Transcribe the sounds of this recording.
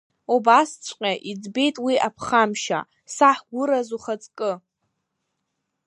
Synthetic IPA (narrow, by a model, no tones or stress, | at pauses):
obast͡sʷʼqʲʼaʔid͡zbe̞jtʼwiapʰχamʃa̰ | saħʷɡʷʊɾazuχat͡sʼkʼɨ